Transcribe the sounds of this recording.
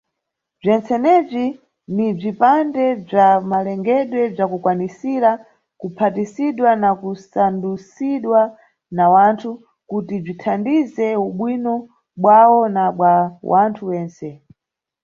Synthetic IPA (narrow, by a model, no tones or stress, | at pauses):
b͡ʐɛnt͡sɛnɛb͡ʐi | nib͡ʐipandɛb͡ʐamalɛŋɡɛɗwɛb͡ʐakukwanisiɾa | kupʰatisiɗwanakusandusiɗwa | nawantʰu | kutib͡ʐitʰandizɛuɓwinɔ | ɓwawɔnaɓwawʔantʰuwɛːnsɛ